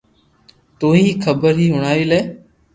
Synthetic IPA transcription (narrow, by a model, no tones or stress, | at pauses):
t̪oːɦiːkʰəbəɾɦiːɦʊɳ̃aːʋiːleː